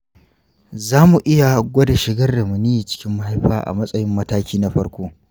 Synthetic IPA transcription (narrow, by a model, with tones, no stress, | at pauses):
zaː˦mu˨ʔɪ˦ja˨ɡʷɐ˦da˨ʃɪ˨ɡɐ˦rda˨mʊ˨ni˦ji˨t͡ʃɪ̥˦kʲɪ˦mːɐ˦ha˦jɸaː˦ʔa̰˨mɐ˦sʼɐ˦jɪ˦mːɐ˦taː˦kʲiː˦na˦ɸɐ˦ɽkʷoː˦